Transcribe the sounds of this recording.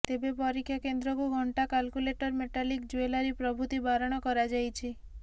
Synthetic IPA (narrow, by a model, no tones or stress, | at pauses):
t̪ebepɔɾikʰːjakend̪ɾɔkuɡʱɔɳʈakalkuleʈɔɾmeʈalikd͡ʒuelaɾipɾɔbʱut̪ibaɾɔɽ̃ɔkɔɾad͡ʒajt͡ʃʰi